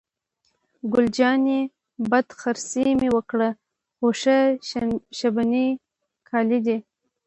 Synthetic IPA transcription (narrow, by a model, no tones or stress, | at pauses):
ɡʊld͡ʒɑni | bad̪xaɾsimewəkɽə | xoʂə | ʃabani | kʰɑlid̪i